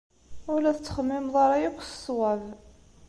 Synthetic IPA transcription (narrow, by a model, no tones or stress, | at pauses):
ʊɾlæθət͡sːə̥χəmːɪmðˤɑɾˤɑjækʷːssˤwæv